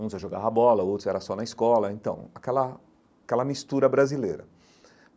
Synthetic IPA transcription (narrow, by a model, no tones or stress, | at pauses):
ũzaʒoɡavɐbɔlɐowt̪ɾʊɛɾɐsɔnɐiskɔlɐẽnt̪ɐ̰̃w̃akɛlɐ | kɛlɐmist̪uɾɐbɾazilḛjɾɐ̰